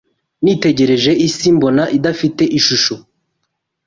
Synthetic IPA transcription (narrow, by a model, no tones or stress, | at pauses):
nite̞ɟe̞ɾe̞ʒe̞isimbo̞naʔidafite̞ʔiʃuʃo